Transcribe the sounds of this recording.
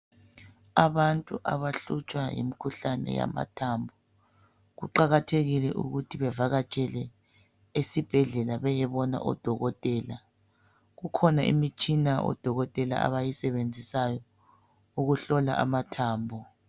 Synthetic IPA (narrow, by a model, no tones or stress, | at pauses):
aβantʼuʔa̰βaɬut͡ʃʼwajḭmikʰuɬanɛ̰ja̰ma̰tʰaːmbʱɔ | ɣuǃaɣatʰeɣilɛʔṵɣutʰiβɛvaɣat͡ʃʼɛlɛ | esib̥ʱɛɮɛlaβɛjɛβɔna̰ʔɔ̰d̥ʱɔɣɔtʼɛːla | ɣukʰɔnaʔḭmit͡ʃʼinaɔ̰d̥ʱɔɣɔtʼɛla̰a̰βajisɛβend͡zʱisajɔ | uɣuɬɔla̰ʔamatʰaːmbʱɔ